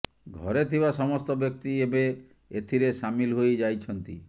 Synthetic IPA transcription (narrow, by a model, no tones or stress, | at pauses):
ɡʱɔɾet̪ʰibasɔmɔst̪ɔbjɔk̚t̪iebe | et̪ʰiɾesamilɦojd͡ʒajt͡ʃʰɔnt̪i